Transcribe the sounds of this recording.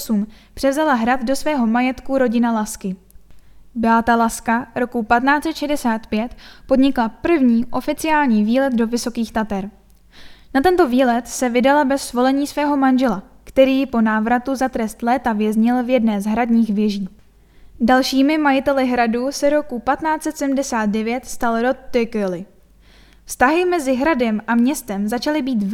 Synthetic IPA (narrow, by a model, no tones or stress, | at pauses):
sumpr̥ɛvzalaɦɾat̪do̞svɛːɦo̞majɛt̪kuɾo̞ɟɪnalaskɪ | bɪat̪alaskaɾo̞kupat̪naːt͡sɛt̪ʃɛdɛsaːt̪pjɛt̪po̞dɲɪklapr̩vɲiːʔo̞fɪt͡sɪaːlɲiːviːlɛt̪do̞vɪso̞kiːxt̪at̪ɛɾ | nat̪ɛnt̪o̞viːlɛt̪sɛvɪdalabɛsːvo̞lɛɲiːsvɛːɦo̞manʒɛla | kt̪ɛɾiːpo̞naːvɾat̪uzat̪ɾɛst̪lɛːt̪avjɛzɲɪlvjɛdnɛːzɦɾadɲiːxvjɛʒiː | dalʃiːmɪmajɪt̪ɛlɪɦɾaduːsɛɾo̞kupat̪naːt͡sɛt̪sɛdm̩dɛsaːt̪̚dɛvjɛt̪st̪alɾot̪ːɪkɪlɪ | fst̪aɦɪmɛzɪɦɾadɛmʔamɲɛst̪ɛmzat͡ʃalɪbiːt̪